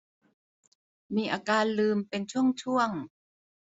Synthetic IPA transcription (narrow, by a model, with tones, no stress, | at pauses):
miː˧ʔaː˧kaː˧nlɯː˧mpe˧nt͡ɕʰu˥˩əŋt͡ɕʰu˥˩əŋ